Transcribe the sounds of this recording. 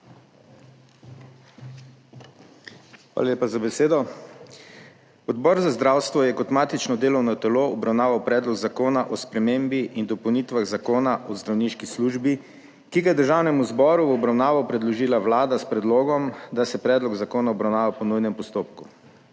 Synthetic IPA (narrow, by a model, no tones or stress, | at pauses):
xʋa̰ːlaleːpazabɛseːd̪ɔ | ɔd̪bɔɾzazd̪ɾawst̪ʋɔjɛkɔt̪maːt̪it͡ʃnɔd̪eːlɔwnɔt̪ɛloɔbɾawnaːʋawpɾɛːd̪lɔɡzakoːnaʔɔspɾɛmeːmbiʔind̪ɔpɔwnit̪ʋaɣzakoːnaʔɔzd̪ɾawniʃkisluʒbi | kiɡajɛd̪əɾʒaːwnɛmuzbɔɾuwɔbɾawnaːʋɔpɾɛd̪lɔʒiːlawlaːd̪aspɾɛd̪loːɡɔmd̪asɛpɾɛːd̪lɔɡzakoːnaɔbɾawnaːʋapɔnujnɛmpɔst̪oːpku